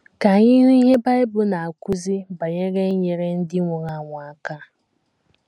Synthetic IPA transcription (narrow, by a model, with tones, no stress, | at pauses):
ka˨ɲɪ˦ɦʊ˦i˦ɦe˦ba˦ɪ˦bʊ˦na˨a˨kʷu˦zi˦ba˨ɲe˦ɣe˦ɲe˨ɾe˦n̩˦dɪ˦ŋʷʊ˨ɣa˦˨ŋʷa˨a˨ka˦